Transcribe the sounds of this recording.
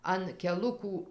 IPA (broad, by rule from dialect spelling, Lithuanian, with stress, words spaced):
ɐn kʲɛˈlˠʊkuː